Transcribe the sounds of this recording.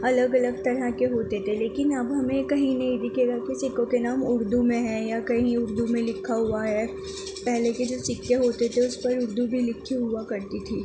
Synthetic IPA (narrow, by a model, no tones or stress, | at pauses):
ɐləɡɐləɡt̪ɐɾɦəkeɦoːt̪et̪ʰeleːkɪnɐbɦɐmẽkɐɦĩnɐɦĩd̪ɪkʰeːɡakisɪkõkenaːmʊɾd̪umẽɦɛ̃jakɐɦĩʊɾd̪umẽlɪkʰːaɦuaɦɛ | pɛɦleked͡ʒoːsɪkːeɦoːt̪et̪ʰeʊspɐɾʊɾd̪ubʱilɪkʰːiɦuakɐɾt̪it̪ʰiː